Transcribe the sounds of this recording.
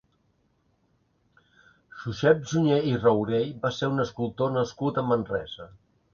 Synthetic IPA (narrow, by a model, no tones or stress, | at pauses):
ʃuʃɛp̚ʒuɲeirəwɾejbaseɾunəskulˠt̪onəskut̪əmənrɛ̰zə